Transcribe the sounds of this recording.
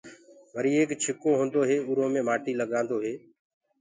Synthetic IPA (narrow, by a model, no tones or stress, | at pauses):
ʋəɾiːeːkt͡ʃʰɪkoːɦõːnd̪oːɦeːʊɾõːmẽːmaːʈiːləɠãːnd̪oːɦeː